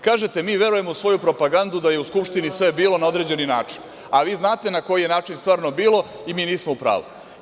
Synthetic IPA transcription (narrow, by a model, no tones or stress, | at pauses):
kaːʒet̪e̞miːʋe̞ɾuje̞mosʋo̞jupɾo̞paɡand̪ud̪aje̞uskupʃt̪inisʋe̞biːlˠo̞nao̞d̪ɾe̞d͡ʑe̞ninaːt͡ʂi̥n | aʋiːznaːt̪e̞nako̞jijenaːt͡ʂinst̪ʋaːɾno̞biːlˠo̞ | imiːniːsmoupɾa̰ːʋṵ